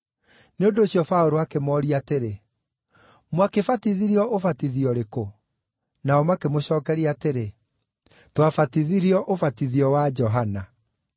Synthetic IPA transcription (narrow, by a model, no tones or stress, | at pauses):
neondoːɕjɔfaoɾoakemɔɾiateɾe | mwakefatiðiɾiɔʔofatiðiɔɾeko | naɔmakemoɕɔːkɛɾiateɾe | twafatiðiɾiɔʔofatiðiɔwad͡ʒɔɦana